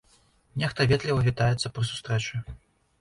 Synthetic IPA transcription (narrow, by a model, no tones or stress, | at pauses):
nʲɛxt̪ɐvʲɛt̪lʲivɐvʲit̪ajɛt̪sːɐpɾɨsu̥st̪ɾɛt͡ʂɨ